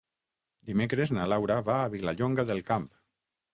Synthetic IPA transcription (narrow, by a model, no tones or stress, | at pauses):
d̪imekɾeznalawɾaβaːβilaʎoŋɡaðelˠkamp